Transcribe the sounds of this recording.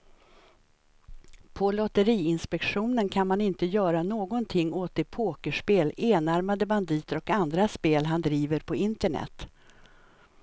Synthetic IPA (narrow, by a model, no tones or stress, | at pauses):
pʰɔlɔt̪əɾiːɪnspɛkɧuːnənkʰanmanɪnt̪əjœːɾanoːɡɔnt̪ʰɪŋːoːt̪ɪpʰoːkəʂpeːleːnaɾmad̪əband̪iːt̪əɾɔkand̪ɾaspeːlɦand̪ɾiːvəɾpʰɔɪnt̪əɳɛ̰t̪ː